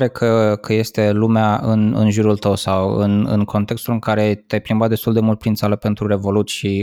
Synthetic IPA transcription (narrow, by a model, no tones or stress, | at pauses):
ɾekʰəkʰəje̞st̪e̞lumeaɨnɨ̰nʒuɾult̪əwsawɨ̰nɨ̰nkʰo̞nt̪e̞kst̪ulɨŋkaɾe̞t̪ajplimbat̪d̪est̪uld̪e̞mult̪̚pɾint̪saləpe̞nt̪ɾuɾe̞vo̞lut̪sʲʃi